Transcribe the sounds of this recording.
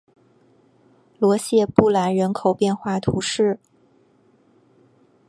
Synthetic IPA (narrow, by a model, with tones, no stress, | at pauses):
lwɔ˧˥ɕjɛ˥˧pu˥˩la˧˥nɻə˧˥nkʰo˨˩ʊpjɛ˥˧nxwa˥˩t̪ʰu˧˥ʂɻ̩˥˩